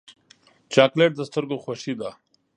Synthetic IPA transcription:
t͡ʃaːkleʈ̚d̪əst̪əɾɡoxwaʃid̪a

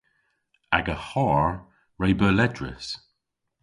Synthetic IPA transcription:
a̰ɡəhɔːɹ | ɹejbəːlɛdɹɪ̰s

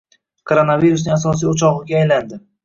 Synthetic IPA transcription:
kʰoɾonaviɾusnɪŋasɒs̬ijʊt͡ʃʰɒʁɨɡʲaːjland̪ɪ

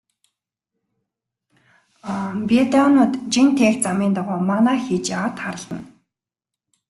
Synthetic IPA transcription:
pʲet̪ɔːnʊːt̪t͡ɕint̪ʰeːkt͡samiːnt̪aʁʊːmanaːxiːt͡ɕat̪χaɾə̆ɮt̪ə̆n

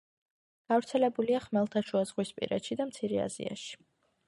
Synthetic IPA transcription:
ɡ̥avɾt̪sʰɛlɛbuliaχmɛlˠt̪ʰaʃuazʁwispʼḭɾɛt̪ʃid̪amt̪sʰiɾɛa̰zḭa̰ʃi̥

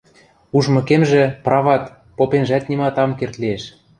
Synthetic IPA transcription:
uʒmɤ̆kemʒĕprɑvɑt̪ | popenʒæt̪̚nimɑt̪ɑmkert̪lieʃ

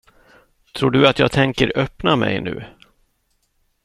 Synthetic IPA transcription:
t̪ʰɾuːɖɵat̪jɑːɡt̪ʰɛŋkəɾœpnamɛ̰jnʉ̟ː

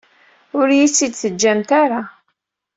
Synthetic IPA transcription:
ʊɾjit͡sːid̪θəd͡ʒːæmt̪aɾa

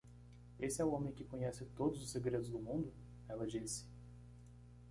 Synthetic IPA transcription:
esɪɛʊõmẽj̃kɪkõɲɛsɪt̪od̪ʊzʊseɡɾed̪ʊzd̪ʊmũnd̪ʊ | ɛlɐd͡ʒisɪ̥

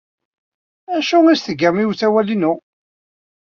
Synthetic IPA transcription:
æʃuŋæsθəɡəɾmiwθæwælinu

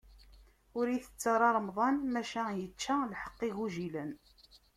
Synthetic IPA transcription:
ʊɾiθə̥t͡sːɑɾˤɑɾˤmðˤɑnmæʃæjət͡ʃːalħə̥qːiɣuʒilən

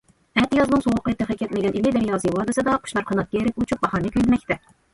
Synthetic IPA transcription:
ɛt̪jɑzmʊnsoʁəqːət̪ːɨχɛkʲʰːɛt̪mɪɡʲɛnilid̪ɛɾjɑːsɨwɑːd̪ɨsɨd̪ɑqʰʊ̥ʃnɑɾqʰɑnɑt̪̚kʲɑjeɾɛkʲut͡ʃʰup̚bɑhɑnɨkʲʰøjlɪmɛkʲt̪ɛ

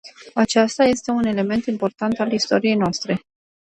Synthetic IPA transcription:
at͡ʃast̪aje̞st̪e̞une̞le̞me̞nt̪impo̞rt̪ant̪alist̪o̞ɾije̞jnoast̪ɾe̞

